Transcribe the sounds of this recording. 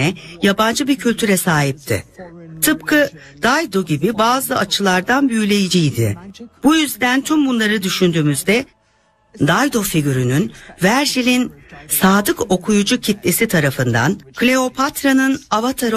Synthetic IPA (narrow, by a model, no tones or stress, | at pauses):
ɛjaband͡ʒɯbiɾcʰylʲt̪ʰyɾɛsaːɦip̚t̪ʰɪ̰t̪ʰɯp̚kʰɯ | d̪̥ajd̪o̞ɟibibaːzɯat͡ʃʰɯlˠaɾd̪anbyjylʲe̞jid͡ʒijd̪ɪ̰b̥ujyzd̪ænt̪ʰymbunlˠaɾɯd̪yʃynd̪yːmyzd̪ɛ | d̪ajd̪o̞fiɟyɾynynvæɾʒilʲinsaːd̪ɯkʰo̞kʰujud͡ʒucʰit̪lesit̪ʰaɾafɯnd̪a̰nklʲe̞o̞pʰat̪ɾanɯnavat̪ʰaɾ